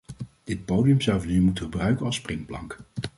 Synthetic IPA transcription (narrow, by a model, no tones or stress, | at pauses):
d̥ɪt̚powdiəmzɑwvənymutəχəbrœɥkənɑlˠsprɪŋplɑ̰ŋk